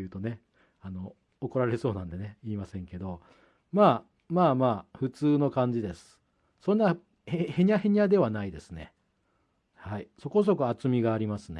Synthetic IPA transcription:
ɯ̟ːt̪o̞ne̞ | ano̞ | oko̞ɾaɾe̞so̞ːnãnd̪e̞ne̞iːmasẽ̞ŋke̞d̪o̞ | maː | maːmaːɸɯ̟t͡sɨːno̞kãɲ̟d͡ʑid̪e̞sɨ̥ | sõnːa | hehe̞ɲ̟aɦe̞ɲ̟ʲad̪e̞βanaid̪e̞sɨne̞ | haiso̞ko̞s̬o̞koat͡sɨmʲiɡaːɾʲimasɨne

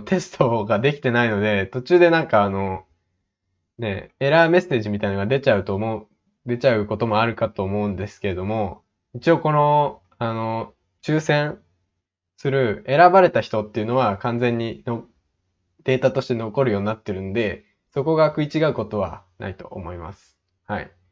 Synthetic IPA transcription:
t̪ʰe̞sɨ̥t̪ʰo̞ɡad̪e̞kʲi̥t̪e̞naino̞d̪e̞t̪o̞t͡ɕɨːd̪e̞nãŋkaːno̞ | ne̞̰e̞ɾame̞se̞ːʑimʲit̪ainoɡad̪e̞t͡ɕaɯ̟t̪o̞mo | d̪e̞t͡ɕaɯ̟ko̞t̪o̞mo̞aɾɯ̟kat̪o̞ːmo̞ɯ̟̃nd̪e̞sɨ̥ke̞ɾe̞d̪o̞mo̞ | it͡ɕio̞ko̞no̞ | ano̞ | t͡ɕɨːsẽ̞ɰ̃ | sɨɾɯ̟e̞ɾabaɾe̞t̪açi̥t̪o̞t̪ːe̞jɯ̟no̞βakãnd͡zẽ̞ɲ̟ːino | d̪̥e̞ːt̪at̪o̞ɕi̥t̪e̞no̞ko̞ɾɯjo̞ːɲinat̪ːe̞ɾɯ̟nod̪e̞ | so̞ko̞ɡakɯ̟it͡ɕiɡaɯ̟ko̞t̪o̞β̞a̰nʔa̰it̪o̞̰ːmo̞ima̰sɨ̥ | haḭ

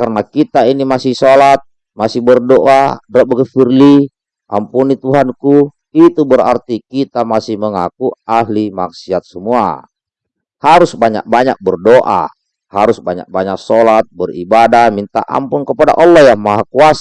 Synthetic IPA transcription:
karnakit̪ainimasɪhsolat̪̚ | masɪhbərdoʔadɾabəɡəfirli | ʔa̰mpunit̪uɦanku | it̪ubəɾa̰rt̪ikit̪amasɪhməŋakuaɦlimaksiat̪̚səmua̰ | haɾusbaɲa̰k̚baɲa̰k̚bərdoʔa̰ | haɾusbaɲa̰k̚baɲak̚sɔlat̪̚bəribadamint̪a̰ʔa̰mpunkəpada̰ʔɔlːɔhjamaɦakuas

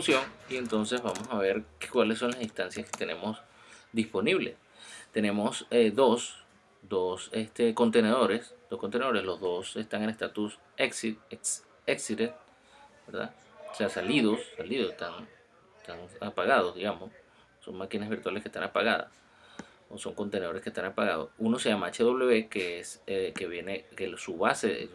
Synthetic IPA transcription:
sjo̞ŋie̞nt̪o̞nse̞zβamo̞saβe̞ɾkkwalesːo̞ŋlasist̪ansjaske̥t̪e̞ne̞̰mo̞s | d̪ispo̞niβle̞̰s | t̪e̞ne̞mo̞seðo̞s | d̪o̞sest̪eko̞nt̪eneð̞o̞ɾe̞sd̪̥o̞skont̪eneoɾe̞slo̞zðo̞se̞st̪aŋenest̪at̪us | ekses | eksiɾet̪ | beɾða̰ | oseasaliðo̞sːaliðosest̪aŋ | est̪aŋapaɣað̞o̞zðiɣamo̞sː | o̞̰ŋmakinazβiɾt̪waleskest̪anapaɣaða̰s | oso̞ŋko̞nt̪ene̞ðo̞ɾeskest̪anapaɣað̞osuno̞se̞ʝamaat͡ʃeðo̞βle̞βekeesekeβje̞nekesuβasḛ

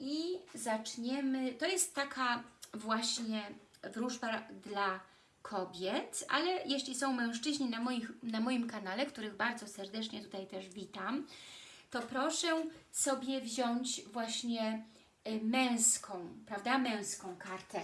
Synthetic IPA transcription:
izat͡ʂɲɛmɘt̪ɔjɛst̪ːakʰavwaɕɲɛvɾuʐbad̪la | kʰɔbʲjɛt̪ʔa̰lɛjeɕlʲisɔ̃w̃mɛ̃w̃ʂt͡ʂɘʑɲinamɔjixnamɔjimkanalɛkt̪uɾɘɣbaɾd̪zɔsɛɾd̪ɛt͡ʂɲɛt̪u̥t̪ajt̪ɛʐvʲit̪amt̪ɔpɾɔʂɛsɔbʲjɛvʑɔɲt͡ɕvwaɕɲɛ | mɛ̃w̃skʰɔ̃w̃pɾavd̪amɛ̃w̃skɔ̃w̃kaɾt̪ɛ

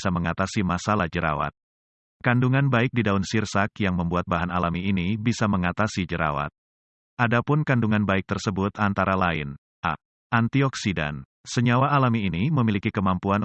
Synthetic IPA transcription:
saməŋat̪asimasalahd͡ʒəɾa̰wa̰t̪̚ | kanduŋanbaɪk̚didaʊnsirsakjaŋməmbuat̪̚baɦanalamiːnibisaməŋat̪asid͡ʒəɾa̰wa̰t̪̚ | ʔadapʊnkanduŋanbaɪk̚t̪ərsəbʊt̪ant̪aɾalaɪ̰n | ʔa̰ | ʔant̪iɔksida̰n | səɲawaːlamiːniməmilikikəmampuan

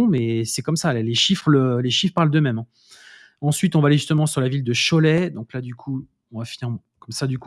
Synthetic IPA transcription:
mɛsɛkɔmsalleʃifχləleʃifχpaʁld̪əmɛmɛ̃ | ɑ̃sɥit̪ɔ̃vaːleʒyst̪əmɑ̃syʁlavild̪əʃɔlɛd̪ɔ̃klad̪ykʰu | ɔ̃vafiniʁmɑ̃kɔmsad̪yku

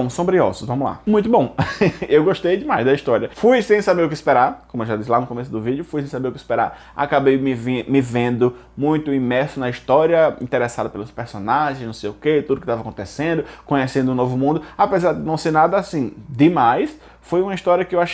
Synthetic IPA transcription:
ɐ̃w̃sõmbɾiɔ̰zʊzvɐ̃mʊla̰mũj̃t̪ʊbõewɡoʃt̪ejd͡ʒɪmajzd̪ɐiʃt̪ɔɾiɐfujsẽj̃sabeɾʊkɪispeɾaɾkõmʊeʒad̪is̬lanʊkõmesʊd̪ʊvid͡ʒjʊfujs̬ẽj̃sabeɾʊkɪispeɾa̰ɾ | a̰kabejmɪvĩmɪvẽnd̪ʊ | mũj̃t̪ʊimɛɾsʊnɐiʃt̪ɔɾiɐḭ̃t̪eɾesad̪ɐpelʊspeɾsonaʒẽj̃snɐ̃w̃sejʊket̪ud̪ʊkɪt̪avakõt̪esẽnd̪ʊkõɲesẽnd̪ʊũnovʊmũd̪ʊapezaɾd̪ɪnɐ̃w̃seɾnad̪ɐasĩd̪ɪmajs | fojũmɐiʃt̪ɔɾiɐkɪewaʃ

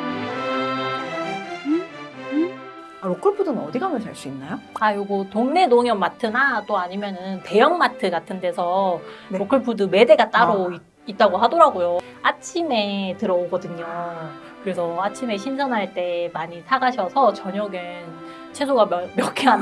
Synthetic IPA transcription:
aɾokʰɯɭpʰudɯnɯnʌdiɡamjʌt͡ɕaɭs͈uinːajoajoɡutoŋne̞noŋjʌmmatʰɯnat͈oaɲimjʌnɯnte̞jʌŋmatʰɯɡatʰɯnde̞sʰʌɾokʰɯɭpʰudɯme̞de̞ɡat͈aɾoi | it̚t͈aɡoɦadoɾaɡojo | at͡ɕʰimetɯɾʌoɡʌdɯɲo | kɯɾe̞sʰʌat͡ɕʰime̞ɕʰind͡ʑʰʌnɦaɭt͈e̞maɲitʰaɡaɕʰʌsʰʌt͡ɕʌɲʌɡen | t͡ɕʰe̞sʰoɡamjʌkʰiɦan

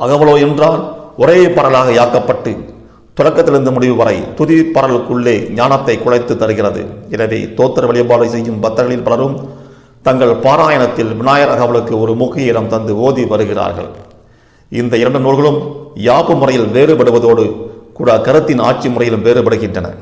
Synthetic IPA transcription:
ɐɣɐʋɐɭoːɛndraːnɔɾeːpɐɽɐlaːɣɐjaːkːɐpːɐʈːɯ | t̪ʊɻɐkːɐt̪ːɪɾɯnd̪ɯmʊɽɪʋɯʋɐɾɐɪt̪ʊðɪpːɐɽɐɭɯkːɯɭːeːɲaːnɐt̪ːɐɪkːʊɻɐɪt̪ːɯt̪ːɐɾɯɣɪrɐðɯ̰ɛnɐʋḛːt̪oːt̪ːɐɾʋɐɭɪjɐbaːɾɐɪsɛjːɯmbɐt̪ːɐɾɣɐɭɪlpɐlɐɾɯm | t̪ɐŋɡɐɭpaːɾaːjɐnɐt̪ːɪlʋɪnaːjɐɾɐɣɐʋɐɭɯkːɯɔɾɯmʊkːɪjɐɪlɐmt̪ɐnd̪ɯoːðiʋɐɾɯɣɪra̰ːɾɣɐ̰ɭ | ɪnd̪ɐɪɾɐɳɖɯnuːɭɣɐɭɯmjaːpɯmʊrɐjɪlʋeːrɯpɐɽɯʋɐðoːɽɯkuːɽɐkɐɾɯt̪ːɪna̰ːʈ̚t͡ʃimʊrɐjɪlɯmʋeːɾɯpɐɽɯɣɪndrɐnɐ̰

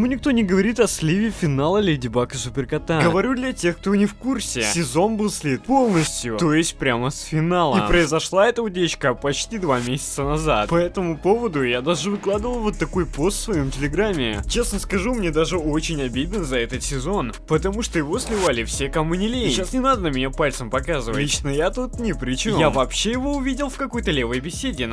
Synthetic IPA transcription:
munʲɪk̚t̪o̞nʲɪɡəvɐɾʲit̪ɐsʲlʲivʲɪfʲɪnalˠəlʲɪdʲɪbakəsʊpʲɪrkɐt̪aɡəvɐɾʲud̪lʲɐtʲe̞xkt̪onʲɪfkursʲɪsʲɪzo̞nbɨlˠsʲlʲit̪̚po̞lˠnəsʲt̪ʲjʊt̪o̞jɪsʲt̚ʲpɾʲaməsfʲɪnalˠəḭpɾəɪzɐʂlˠaɛt̪əʊdʲet͡ɕkəpɐt͡ɕtʲid̪vamʲesʲɪ̥t̪sənɐza̰t̪pɐɛt̪əmʊpo̞vəd̪ʊjad̪aʐɨvɨklˠad̪ɨvəlˠvot̪ːɐko̞jpo̞st̪svɐjo̞mtʲɪlʲɪɡɾamʲːɪt͡ɕe̞snəskɐʐumnʲed̪aʐɨo̞t͡ɕɪnʲɐbʲid̪ʲɪnzɐɛt̪ət̪sʲɪzo̞n | pət̪ɐmuʂt̪ojɪvo̞sʲlʲɪvalʲɪfsʲekɐmʊnʲɪlʲeɕasnʲɪnad̪ənəmʲɪnʲapalʲt̪səmpɐkazɨvət͡ɕnəjat̪ut̪nʲɪpɾʲɪt͡ɕɪjavɐpɕejɪvo̞ʊvʲidʲɪlˠfkɐko̞jt̪əlʲe̞vəjbʲɪsʲedʲɪ

